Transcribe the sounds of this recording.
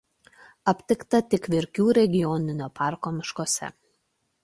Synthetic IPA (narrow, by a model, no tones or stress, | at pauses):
ɐpʲt̪ʲɪkt̪ɐt̪ʲɪkʋʲɪɾʲkʲuːɾʲɛɡʲɪjɔnʲɪnʲoːpʰɑˑɾkoːmʲɪʃkoːsʲɛ̰